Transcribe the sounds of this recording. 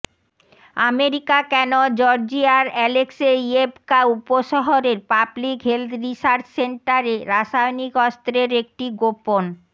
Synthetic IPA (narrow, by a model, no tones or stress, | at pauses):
ameɾikakɛnod͡ʑɔɾd͡ʑiaɾɛlekseiebkaupoʃɔɦoɾeɾpablikɦeld̪ɾisaɾt͡ɕseɳʈaɾeɾaʃajnikɔst̪ɾeɾek̚ʈiɡopon